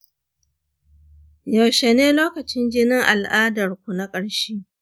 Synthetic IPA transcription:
jɐ˨wʃe˨neː˦loː˦kɐ˨t͡ʃɪ˦nd͡ʒɪ˦nɪ˦ŋʔa̰˨lʔaː˦dɐ˨rkʷu˨na˦kʼɐ˦ɽʃi˦

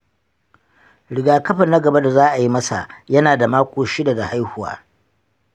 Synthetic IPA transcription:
ɽɪ˨ɡaː˨kɐ˦ɸɐ˨nɐ˦ɡɐ˨ba˦da˨zaː˦ʔa˨ji˦mɐ˦sa̰˨jɐ˦naː˨da˨maː˦kʷoː˨ʃɪ˦da˨da˨ha˦jhʊ˨wa̰ː˦

